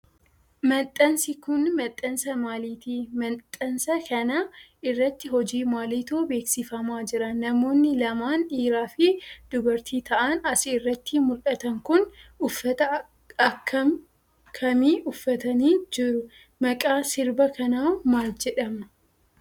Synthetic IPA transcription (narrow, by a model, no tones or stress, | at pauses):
mɐt̪ʼːɐnsɪkʊnmɐt̪ʼːɐnsɐmaːliːt̪iːmɐnt̪ʼːɐnsɐkɐnɐɪrːɐt̪ːɪɦɔd͡ʒiːmaːliːt̪oːbe̞ːksɪfɐmaːd͡ʒɪɾɐnːɐmo̞ːnːɪlɐmaːniːɾaːfɪd̪̥ʊbɐɾt̪ʰiːt̪ɐʔɐnɐsɪːrːɐt̪ːiːmʊlkʼɐt̪ɐŋkʊnʊfːɐt̪ɐ | ɐkːɐ | kʰːɐmiːʔʊfːɐt̪ɐniːd͡ʒɪɾʊ | mɐkʼaːsɪɾbɐkɐnaːmaːld͡ʒɛᶑɐmɐ